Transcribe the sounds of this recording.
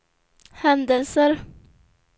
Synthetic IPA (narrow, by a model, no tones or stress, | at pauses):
hɛnd̪ɛlsəɾ